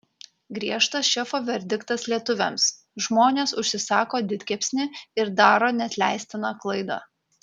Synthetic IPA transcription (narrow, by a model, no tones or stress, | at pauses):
ɡɾʲiɛʃt̪ɐsʃʲɛfoːʋʲɛɾʲd̪ʲɪkt̪ɐslʲiɛt̪ʊʋʲɛms | ʒmoːnʲeːsʊʃʲsʲɪsɑːkoːd̪ʲɪt̪ʲkʲɛpʲsʲnʲɪɪɾd̪ɑːɾoːnʲɛt̪ʲlʲæ̰ˑɪsʲt̪ʲɪnɑːklˠɐɪd̪ɑ̰ː